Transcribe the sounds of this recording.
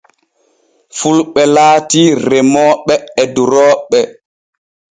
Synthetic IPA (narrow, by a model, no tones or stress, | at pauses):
fulɓɛlaːtirɛmɔːɓɛɛduɾɔːɓɛ